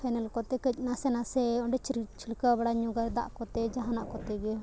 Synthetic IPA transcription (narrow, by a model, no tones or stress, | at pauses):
pʰɛnɛlkɔt̪ɛkəc̚ˀnasɛnasɛɔɳɖɛt͡ʃt͡ʃilkəbaɽaɲuɡaɾd̪a̰ʔkɔt̪ɛd͡ʒaɦanaʔkɔt̪ɛɡɛ